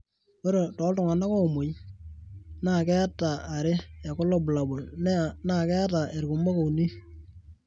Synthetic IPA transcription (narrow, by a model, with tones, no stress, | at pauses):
o˦ɾe˨tɔ˨˦ltʊ˨ŋa˨na˦ko˦˨mo˨j | na˨kɛ˦a˦taː˨ɾɪ˦a˨kɔ˦lɔ˦˨bʊ˨la˨bʊ˨lnɛ˦na˨kɛ˦a˦ta˨e˨ɾkʊ˨mo˦ko˨u˨ni˦